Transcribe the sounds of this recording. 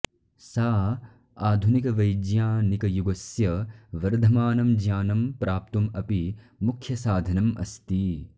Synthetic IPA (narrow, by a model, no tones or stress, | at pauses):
saː | aːd̪ʱunikɐʋɐjd͡ʒjaːnikɐjuɡɐsjɐʋɐɾd̪ʱɐmaːnɐmd͡ʒjaːnɐmpɾʔaːp̚t̪umɐpi | mukʰjɐsaːd̪ʱɐnɐmɐ̰st̪i